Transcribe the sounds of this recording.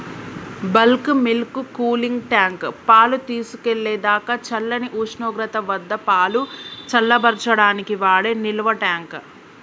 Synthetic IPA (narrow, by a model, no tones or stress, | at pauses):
bɐlkmilkukuːliŋɡʈjaːŋkpaːlut̪iːsu̥keɭːɛːd̪aːkɐt͡ʃɐlːɐniʔuːʂnɔːɡɾɐt̪ɐʋɐd̪ːɐpaːlut͡ʃɐlːɐbɐɾt͡ʃɐɽaːnikiʋaːɭeːniluʋɐʈaːŋk